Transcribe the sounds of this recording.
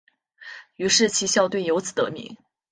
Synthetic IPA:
y˧˥ʂɻ̩˥˩t͡ɕʰi˧˥ɕjɑ˥˧ʊt̪we˥˩ɪjo˧˥ʊt͡sʰɹ̩˨˩t̪ɤ̰˧˥mḭ˧˥ŋ

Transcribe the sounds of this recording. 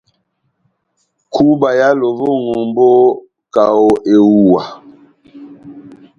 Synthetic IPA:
kʰu˦ba˨ja˦lo˨vo˦ŋo˨mbo˦ | ka˨o˦ʔe˨wu˨wa˨

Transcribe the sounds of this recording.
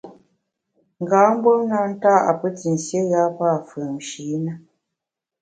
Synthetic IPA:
ŋ̩˨ɡaː˨˦m̩˦bwo˦na˦n̩˦ta˦ʔa̰˨pə˦ti˨n̩˨sje˦ɣa˦pa˦˨fə˨m̩˨ʃi˨˦nə˦

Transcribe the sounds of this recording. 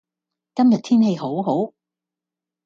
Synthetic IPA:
kɐ˥mjɐ˨t̪ʰiː˥nɦe˧jɦo˨˥wɦo˨˥w

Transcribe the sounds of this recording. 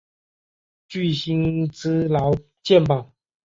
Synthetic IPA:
t͡ɕy˥˩ɕi˥nt͡sɹ̩˥lɑ˨˧˦ʊ | t͡ɕjɛ˥˨npɑ˨˩˦ŋ

